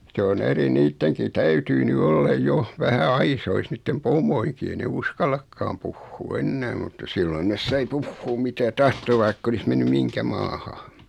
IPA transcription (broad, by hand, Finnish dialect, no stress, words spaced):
se on eri niːtːeŋki tæytyː ny olːɑ joh ʋæhæ ɑisois niːtːem pomˑoiŋki ei ne uskɑlˑɑkːɑːm puhːuː enːæː mutːɑ silːon nes sɑi puhːuːm mitæ tɑhto ʋɑikː olis menːy miŋkæ mɑːhɑ